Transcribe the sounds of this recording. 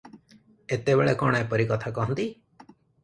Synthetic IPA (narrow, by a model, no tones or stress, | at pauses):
et̪ebeɭekɔɽ̃aepəɾikɔt̪ʰakɔɦɔnt̪i